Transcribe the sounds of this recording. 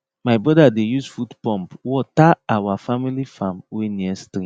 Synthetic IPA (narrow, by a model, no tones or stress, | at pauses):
maɪbɹɔdadejusfutpɔ̃mpwɔtaawafamilifãmweniɛstɾĩ